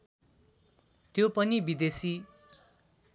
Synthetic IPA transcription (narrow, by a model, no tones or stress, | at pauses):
t̪jopʌnibid̪esi